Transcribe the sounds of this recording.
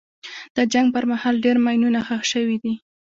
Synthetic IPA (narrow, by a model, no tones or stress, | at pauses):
d̪̥əd͡ʒaŋɡ̚pəɾmahɑlɖeɾmajnunaxəxʃəwid̪i